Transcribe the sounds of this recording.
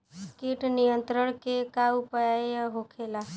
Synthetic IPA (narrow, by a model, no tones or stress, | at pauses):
kiʈnijənt̪ɾəɽ̃kekaupəjaəɦokʰela